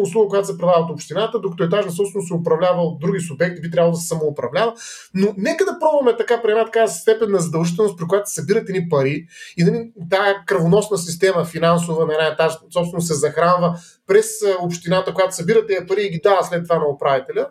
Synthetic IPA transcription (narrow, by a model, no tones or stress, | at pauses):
ʊslˠuɡəkojat̪ʊ̥sɛpɾɛd̪ladəot̪opʃt̪inat̪əd̪okɐt̪oɛt̪̬aʒnɐsɔpsɛnʊsɛopɾɐvlʲavəot̪̚d̪ɾuɡ̟ʲisʊbɛk̚t̪ibit̪ɾabəlˠod̪əsɛ̥sɐmoːpɾɐvlʲavə | nonɛkəd̪ɐpɾɔbvɐmɛt̪ɐkapɾimɛt̪ɐkast̪ɛpɛnːɐzɐd̪ɐlˠʒit̪ɛlˠnst̪pɾik̬ʊjat̪o̥sɐbiɾɐt̪ɛnipɐɾiinɐlit̪aəkɾɐvonɔsnəsist̪ɛməfinansʊvənɐnaɛt̪aʒsɔpst̪ɛnʊsɛzɐxɾanvə | pɾɛsopʃt̪inat̪əkojat̪ʊ̥sɐbiɾət̪ːiɐpɐɾiːɡ̟id̪avəslɛt̪ːvanɐopɾavit̪ɛlʲə